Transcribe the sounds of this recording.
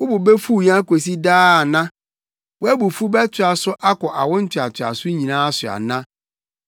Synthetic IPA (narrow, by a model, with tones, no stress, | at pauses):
wʊ˦bʊ˨be˦fu˦˨ɲ˦ã˦ko˨s̬i˦daː˦˨nã˦ | wʊ˦æ˦bʊ˨fu˦bɛ˦tʰɪ˨a˨sʊ˦ʔa˦kɔ˨ʔa˨wʊ̃˦n̩˦tʰɪ˨a˨tʰɪ˨a̰˨sʊ˦ɲĩ˨nãː˦a˦sʊ˨a̰˨nã˦